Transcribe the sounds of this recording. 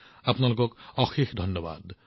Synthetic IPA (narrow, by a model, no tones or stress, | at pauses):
apnalokɔkɔxixd̪ʱɔnːɔba̰d̪